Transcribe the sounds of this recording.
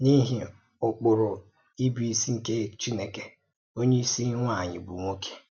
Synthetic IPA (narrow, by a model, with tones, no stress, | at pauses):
ni˦ɦi˦ | ʊ˨k͡pʊ˨ɾʊ˨ | i˦bi˨i˨si˦ŋ̩˨ke˦t͡ʃi˦ne˨ke˨ | o˦ɲe˦i˦si˦ŋʷa˦˨ɲɪ̰˨bu˨ŋʷo˦kʰe̥˦